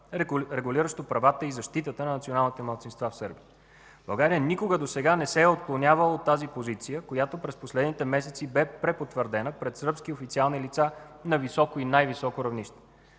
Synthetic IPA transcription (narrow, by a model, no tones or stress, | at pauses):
ɾɛɡuliɾəʃt̪opɾɐvat̪əizɐʃt̪it̪ət̪ənɐnɐt̪sionalˠnit̪ɛməlˠt̪sinst̪vafsɤɾbiə | b̥ɐlˠɡaɾijənikoɡəd̪osɛɡanɛsɛːot̪̚klˠonʲavəlˠəot̪ːazipozit̪sijəkojat̪opɾɛsposlɛd̪nit̪ɛmɛsɛt̪sibɛpɾɛpot̪vəɾd̪ɛnəpɾɛt̪səɾpsk̟iofit̪sialˠnilit̪sa | nɐvisɔkoinajvisɔkoɾɐvniʃt̪ɛ̥